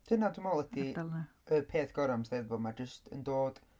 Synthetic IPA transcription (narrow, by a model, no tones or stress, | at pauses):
dʰɪnadumɔlˠɛtʰial | əpʰeːθɡ̥ɔɾamsðeðvɔmad͡ʒəstʰə̰ndoːd̥